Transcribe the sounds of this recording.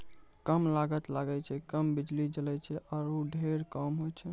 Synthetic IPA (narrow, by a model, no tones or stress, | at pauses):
kəmlaɡət̪laɡɛt͡ʃʰɛkəmbid͡ʒlid͡ʒəlɛt͡ʃʰɛʔɔːɾoɖʱeɾkəmɦojt͡ʃʰɛ